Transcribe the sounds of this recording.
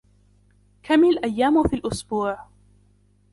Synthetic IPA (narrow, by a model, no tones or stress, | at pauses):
kʰamillʔajːaːmʊfiːlʔʊsbuːʕ